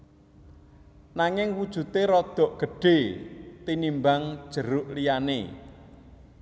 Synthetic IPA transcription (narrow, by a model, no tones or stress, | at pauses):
naŋɪŋwud̥ʒ̥ṳt̪eɾɔd̪̥ɔ̤ʔɡ̥əɖ̥e̤t̪inimbaŋd̥ʒ̥ə̤ɾʊʔlijanḛ